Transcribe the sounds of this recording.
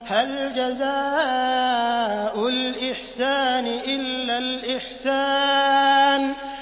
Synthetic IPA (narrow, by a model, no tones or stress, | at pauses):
hald͡ʒazaː | ʔʊlʔɪħsaːnɪʔɪlːalʔɪħsaː | n